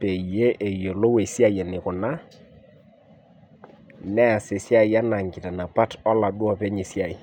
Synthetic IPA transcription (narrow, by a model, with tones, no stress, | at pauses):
pe˨je˦ʔe˨jo˨lo˦we˨sja˦jɛ˨nɪ˨kʊ˨na˦ | nɛ˦a˨sɪ˨sja˦i˨ja˦na˨ŋɡɪ˨ta˨na˨pa˦tɔ˦la˨dwɔ˦˨pɛ˦ɲɪ˨sja˨i˨